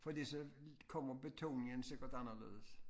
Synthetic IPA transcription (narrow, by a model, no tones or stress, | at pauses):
fɒ̽d̥ḭːsɒ̽kʰɒm̰ɐb̥e̝t͡sʰo̝̰ːnɪŋənseɡ̥ɐd̥ɑnɐlḛːðˠs